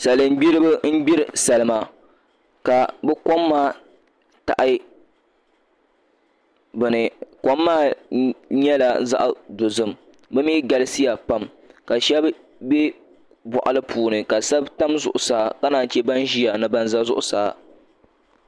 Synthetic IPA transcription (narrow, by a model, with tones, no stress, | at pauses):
sa˨lɨ˨m˦bi˦ɾɨ˦bɨ˦m̩˦bi˦ɾɨ˨sa˨lɨ˦ma˨ | ka˨bɛ˦ko˦mːaː˦ | ta̰˨ʔa˦j | bɨ˨nɨ˨ko˦mːaː˦ | ɲɛ˦la˨za̰˦ʔdo˨zɨ˦m | bɨ˦miː˦ɡa˦lɨ˦si˦ja˨pa˦m | ka˨ʃɛ˦b | bɛ˦ | bɔ˨ʔa˨lɨ˦pʰuː˨nɨ˨ka˨sa˦bta˦mzʊ̰˨ʔʊ˨saː˦ka˦naː˨t͡ʃɛ˦ba˦n˦ʒi˦ja˨nɨ˦ba˦nza˦zʊ˦ʔʊ˨saː˨˦